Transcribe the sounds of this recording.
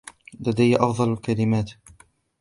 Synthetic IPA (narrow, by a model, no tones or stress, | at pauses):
lad̪ajːaʔɑfd̪ˤɑlalkalɪmaːt̪